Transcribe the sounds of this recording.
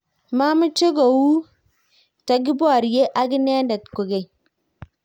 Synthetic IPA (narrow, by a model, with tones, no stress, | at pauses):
ma˦mu˦t͡ʃe˦ɡo˨wu˦ | ta˨ɡi˦bo˦a˨ɾi˨je˦ʔa˦ɡi˦ne˦nda˨tko˨ɡe˨j